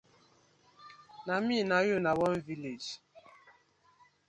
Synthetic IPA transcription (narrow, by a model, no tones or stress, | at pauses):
naminajʊnawɔnviled͡ʒ